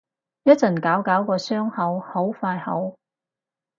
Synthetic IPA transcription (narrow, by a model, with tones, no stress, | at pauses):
jɐ˥t̚t͡sɐ˨˩nkaː˨˥wkaː˨˥wkɔː˧sœː˥ŋhɐ˨˥who˨˥wfaː˧jhɐ̰˨˥w